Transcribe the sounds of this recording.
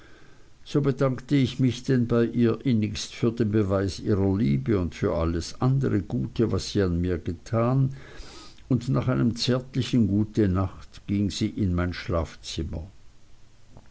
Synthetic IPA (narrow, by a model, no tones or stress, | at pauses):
z̥oːbədaŋktəɪçmɪçd̥ɛnbaɪʔiːɐʔɪnɪçstfyːɐdeːnbəvaɪsiːʁɐliːbəʊntfyːɐʔaləsʔandəʁəɡ̥uːtʰəvasz̥iːanmiːɐɡ̥ətʰaːn | ʊndnaːχaɪnəmt͡sɛɐtlɪçənɡuːtənaχtɡ̥iŋz̥iːʔɪnmaɪnʃlaːft͡sɪmɐ̰